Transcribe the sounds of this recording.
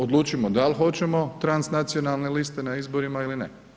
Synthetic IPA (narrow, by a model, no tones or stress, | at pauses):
od̪lˠuːt͡ʃimo̞d̪alxo̞t͡ɕe̞mo̞t̪ɾansnat̪sio̞nalˠne̞list̪e̞naizbo̞ɾimailinḛ